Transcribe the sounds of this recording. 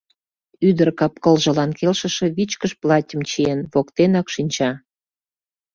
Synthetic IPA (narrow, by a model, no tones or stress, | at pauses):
yd̪ərkɑp̚kə̆lʒə̆lɑnkelʃə̆ʃĕβit͡ɕkəʃplɑtʲəmt͡ɕienβokt̪enɑkʃinʲt͡ɕɑ